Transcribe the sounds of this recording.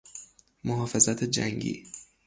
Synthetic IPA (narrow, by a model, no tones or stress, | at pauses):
moɦɒːfezæt̪ʰed͡ʒæŋɡḭː